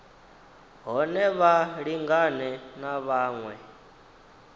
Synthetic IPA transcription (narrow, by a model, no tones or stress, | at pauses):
ɦɔnɛβaɺiŋɡanɛnaβaːŋwɛ